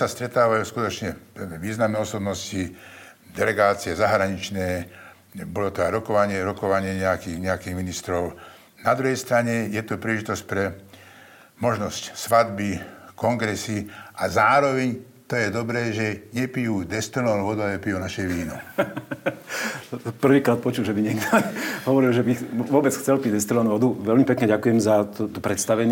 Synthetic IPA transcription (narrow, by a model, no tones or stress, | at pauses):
sast̪ɾɛt̪aːʋajuːskut̪ɔt͡ʃɲɛʋiːznamnɛːɔsɔbnɔsci | d̪ɛlɛɡaːt͡siɛzaɦɾaɲit͡ʃnɛː | bɔlɔt̪ɔajɾɔkɔʋaɲɪɛɾɔkɔʋaɲɪɛɲɛakiːɣɲɛakiːɣminist̪ɾɔʊ | nad̪ɾuɦɛjst̪ɾaɲɛjɛt̪ɔpɾiːlɛʒit̪ɔsc̚pɾɛ | mɔʒnɔscsʋad̪bikɔŋɡɾɛsiʔazaːɾɔʋɛɲ | t̪ɔjɛd̪ɔbɾɛːʒɛɲɛpijuːd̪ɛst̪ɾlnɔlʋɔd̪ualɛɛpijunaʃɛʋiːnɔ | pr̩ʋiːkɾaːt̪̚pɔt͡ʃulʒɛbiɲɛɡd̪ɔɦɔʋɔɾilʒɛbiʋɔbɛt͡sxt͡sɛlpiɟd̪ɛst̪ɾlɔnʋɔd̪uʋɛlmipɛkɲɛɟakujɛmzat̪t̪ɔpɾɛt̪st̪aʋɛɲ